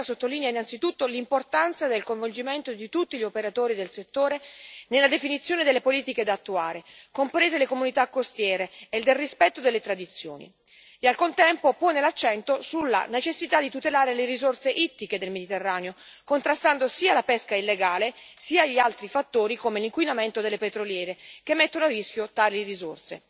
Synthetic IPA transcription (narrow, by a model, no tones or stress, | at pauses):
sot̪ːoliːneainant̪sit̪ut̪ːolimport̪ant̪sad̪elkoɱvold͡ʒiment̪od̪it̪ut̪ːiʎiopeɾat̪oːɾid̪elset̪ːoːɾenelːad̪efinit̪sːjoːned̪elːepoliːt̪iked̪aːt̪ːuaːɾekompɾeːzelekomunit̪akːost̪jɛːɾeːd̪elrispɛt̪ːod̪elːet̪ɾad̪it̪sːjo̰ːnḭ | ialkont̪ɛmpopoːnelat͡ʃːɛnt̪osulːa̰net͡ʃesːit̪ad̪it̪ut̪elaːɾeleɾizorseʔit̪ːiked̪elmed̪it̪erːaːneo | kont̪ɾast̪and̪osiːalapɛskailːeɡaːle | siːaʎːialt̪ɾifat̪ːoːɾikomeliŋkwinament̪od̪elːepet̪ɾoljɛːɾek̟emːet̪ːonoarːisk̟jot̪aːlirizo̰rsḛ